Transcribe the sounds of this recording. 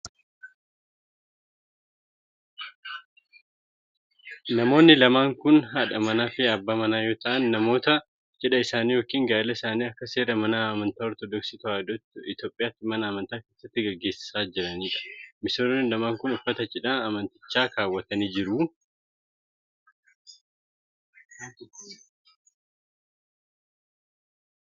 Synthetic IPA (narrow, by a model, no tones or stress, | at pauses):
nɐmo̞ːnːɪlɐmaːŋkʊnɦɐᶑɐmɐnaːfɪɐbːaːmɐnaːjo̞ːt̪ɐʔɐnːɐmo̞ːt̪ɐ | t͡ʃʼɛᶑɐɪsaːniːjo̞ːkiːŋɡaːɪlɐɪsaːniːɐkːɐseːɾɐmɐnaːɐmɐnt̪aːɔɾt̪ɔd̪ɔksɪt̪ʊad̪ɔɪt̪jo̞ːpʼɪjaːt̪ːɪmɐnɐːmɐnt̪aːke̞ːsːɐt̪ːɪɡɐɡːe̞ːsɪ̥saːd͡ʒɪɾɐniːᶑɐ̥mɪsoːonːɪlɐmaːŋkʊnʊfɐt̪ɐt͡ʃʼɪᶑaɐmɐnt̪ɪ̥t͡ʃːaːkʰaːwːɐt̪ɐniːd͡ʒɪɾʊ